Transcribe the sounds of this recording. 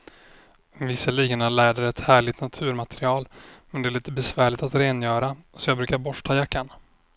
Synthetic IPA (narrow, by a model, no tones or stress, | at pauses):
ɔmvɪsːaliːɡənalæːɖɛɾɛt̪hæːɭɪt̪nat̪ʰʉ̟ːɾmat̪ɛɾɪɑːlmɛnd̪ɛæɭiːt̪əbɛsvæːɭɪt̪at̪ɾeːnjœːɾasɔjɑːɡbɾʉ̟ːkaɾbɔʈʰɑːjakːaɳ